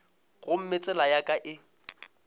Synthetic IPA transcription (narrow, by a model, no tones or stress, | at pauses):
ɣʊm̩mɪt͡sʼɛlajakʼaʔɪ